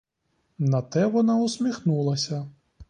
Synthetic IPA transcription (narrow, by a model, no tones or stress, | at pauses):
nɐt̪ɛʋɔnausʲmʲixnulˠɐsʲɐ